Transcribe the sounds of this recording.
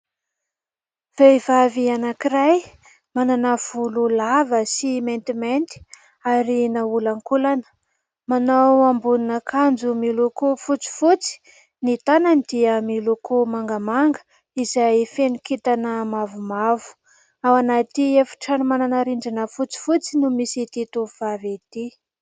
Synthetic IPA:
v̥ejvavianakiɾaj | mananəv̥ululavəsiment̪iment̪i̥ | aɾinaulaŋkulanə̥ | manawambuninəkʰand͡zumilukufut͡si̥fut͡si̥ | nit̪ananid̪̥iəmilukʰumaŋɡəmaŋɡə̥ | izajfenikit̪anəmavumavu̥ | awanat̪iefi̥ʈ͡ʂanimananaɾiɳɖ͡ʐinəfut͡si̥fut͡sinumisit̪it̪uv̥avet̪i

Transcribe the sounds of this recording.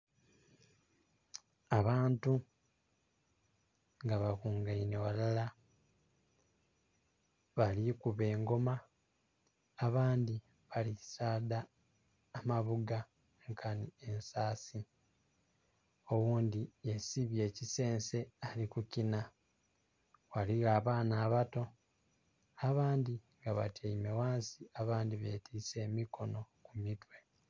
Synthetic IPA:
aβaːntu | ŋɡaβakuːŋɡaine̞walala | βalikuβe̞ːŋɡo̞ma | βaːndi | βalisaːdaː | maβuɡa | ŋkʰanie̞nsaːsi | o̞wuːndiesiβje̞ːcise̞ːnse̞alikucina | waliɣaːβaːnaːβato̞ | aβaːndiŋɡaβa̰taimewaːnsiaβaːndiβe̞ːtʰiːse̞ːmikʰo̞no̞kumitwe̞

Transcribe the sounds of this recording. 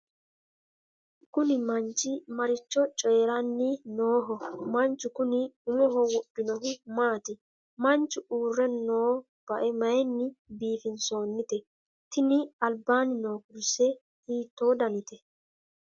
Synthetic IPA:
kʊnɪmɐnt͡ʃːɪmɐɾɪt͡ʃːɔt͡ʃʼeːɾɐnːɪnoːɦɔmɐnt͡ʃːʊkʊnɪʊŋɔɦɔwɔɗːɪnɔɦʊmaːt̪ɪ | mɐnt͡ʃːʊʔuːrːɛnːoː | b̥ɐʔɛmɐjɛnːɪbiːfɪnso̞ːnːɪt̪ɛ | t̪ɪnɪɐlbaːnɪno̞ːkʊɾsɛ | hiːt̪ːo̞ːd̪ɐnɪt̪ɛ

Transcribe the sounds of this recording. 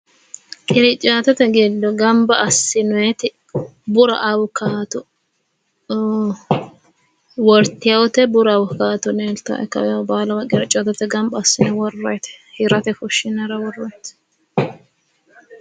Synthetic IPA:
kʼɪɾɪt͡ʃʼːaːt̪ɛt̪ɛɡɪd̪ːɔɡɐmbɐʔɐsːɪnɔɛt̪ɪ | bʊɾɐ̰ʔɐwʊkaːt̪ʊ | wɔɾt̪ɪjɐwɔt̪ɛbʊɾwʊkaːt̪ʊneːlt̪ɐ̰ʔɛ̰kːɐ̰wɛjɐbaːlɐwɐkʼɪɾɪt͡ʃʼaːt̪ɛt̪ɛɡɐmbɐːsːɪnɛwɔrːɔjt̪ɛ̥hɪɾɐt̪ɛfʊʃːɪnɛɾɐwɔrːɔjɛt̪

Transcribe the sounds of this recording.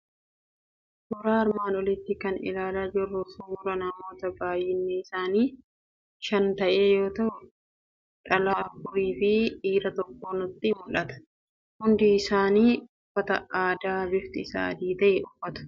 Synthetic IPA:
sʊɾaːɐɾmaːnɔlɪt̪ːɪkɐnɪ̰laːlaːd͡ʒɪrːʊsuːɾɐnɐmo̞ːt̪ɐbaːjɪnːeɪsaːniː | ʃɐnt̪ɐʔe̞ːjo̞ːt̪ɐhʊ | ᶑɐlaːfʊɾiːfɪᶑiːɾɐt̪ɔkːo̞ːnʊt̪ːɪmʊᶑɐt̪ɐ̥ | hʊnd̪ɪːsaːniːʊfːɐt̪ɐaːd̪aːbɪft̪ɪsa̰ːd̪iːt̪ɐʔɛʊfːɐt̪ʊ̥

